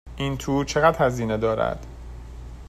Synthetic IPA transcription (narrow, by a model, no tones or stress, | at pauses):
ʔint̪ʰuːt͡ʃʰeɣæd̪hæziːned̪ɒːɾæ̰d̪̥